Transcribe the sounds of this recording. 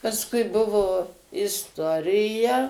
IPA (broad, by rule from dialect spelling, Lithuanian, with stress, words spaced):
pɐsˈkʊɪ ˈbʊʋoː ɪsˈtoːrʲɪjɛ